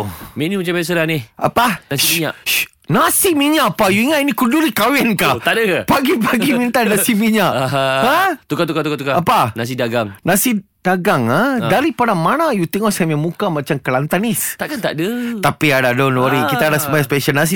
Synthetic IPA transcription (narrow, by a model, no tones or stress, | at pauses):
menimət͡ʃabias̬alania̰panaiiɲaʔʃ | nasimiɲaʔpajuiŋat̪inikuduɾikawɛnkat̪aʔdəkapaɡipaɡimint̪anasimiɲaʔɦhãt̪ukat̪ukat̪ukat̪ukaapanas̬idaɡaŋnãsi | d̥aɡaŋadaɾipadamanajut̪ɛŋɔhsɛmjamũkamat͡ʃamkəlant̪anist̪aʔkant̪a̰ʔdət̪apiadadɔnwaɾikit̪aːdasəmajãspɛʃalnas̬i